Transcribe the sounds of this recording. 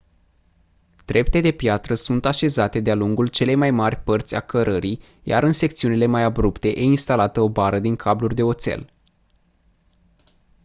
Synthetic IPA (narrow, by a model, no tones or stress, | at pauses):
d̪̥ɾe̞pt̪e̞d̪e̞pjat̪ɾəsunt̪aʃe̞zat̪e̞d̪ealuŋɡult͡ʃe̞le̞jmajmarʲpərt̪sʲa̰kəɾʔəɾi | ja̰ɾɨnse̞k̚t̪siunile̞majabɾupt̪e̞ʔeinst̪alat̪əo̞baɾəd̪iŋkʰablurʲd̪e̞o̞t̪se̞̰l